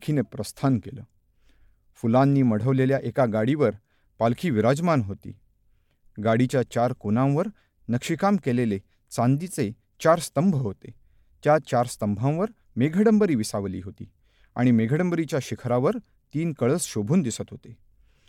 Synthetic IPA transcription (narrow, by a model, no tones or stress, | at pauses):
kʰinepɾəst̪ʰankelə̰ː | fulãnːiːməɽ̤əʋleljaʔekaɡaɽiʋəɾ | palkʰiːʋiɾad͡zmanɦot̪ḭː | ɡaɽit͡ɕjat͡ɕaɾkonãw̃ʋəɾ | nəkʂikamkelele | t͡sand̪it͡se | t͡ɕaɾst̪əmbʱəɦot̪e | t̪jat͡ɕaɾst̪əmbʱãw̃ʋəɾ | meɡʱəɽəmbəɾiːʋisaʋlḭːɦot̪ḭː | a̰ɽ̃imeɡʱəɽəmbəɾit͡ɕjaɕikʰɾaʋəɾ | t̪iːnkəɭəsɕobʱuːnd̪isət̪ɦot̪e